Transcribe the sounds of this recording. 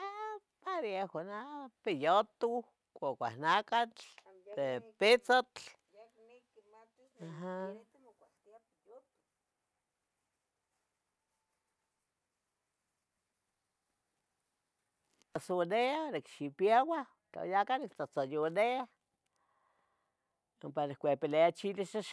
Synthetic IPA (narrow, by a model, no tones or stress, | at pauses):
a | paɾjaxanapijot̪u | kʷokʷa̰hnakat͡ɬ | epɪt͡sat͡ɬ | aɦa | asoneanekʃipjawa | t͡ɬa̰jakanɪk̚t͡sat͡sajonea | mpanɪkkʷepileat͡ʃiliʃaʃ